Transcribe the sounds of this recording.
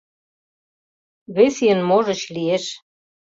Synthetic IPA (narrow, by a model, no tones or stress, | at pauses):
βesijənmoʒə̆t͡ɕlieʃ